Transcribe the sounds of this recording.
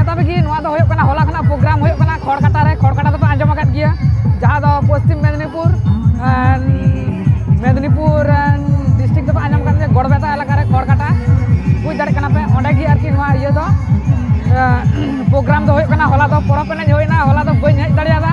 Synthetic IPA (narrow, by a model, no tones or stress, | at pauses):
ɛt̪abɛkinɔwad̪ɔɦojɔʔkanaɦɔlakanapɾɔɡɾamɦojɔʔkanakʰɔɽkaʈaɾɛkʰɔɽkaʈad̪ɔpɛãɲd͡ʒɔmakat̪̚ˀɡijəd͡ʒaɦad̪ɔpɔst̪imːɛd̪nipuɾ | n | mɛd̪nipuɾnɖisʈʰik̚t̪ɔpɛaɲd͡ʒɔmakat̪̚ɡiəɡɔɽbɛt̪aɛlakaɾɛkʰɔɽkaʈa | pũɲ̚d̪aɽɛc̚kanapɛɔ̃ɳɖɛɡiaɾkinɔwaijəd̪ɔ | pɾɔɡɾamd̪ɔɦojɔʔkanaɦɔlad̪ɔpɔɾɔpɛnɛɲɦojnaɦɔlad̪ɔbəɲəc̚ˀt̪aɽɛjad̪a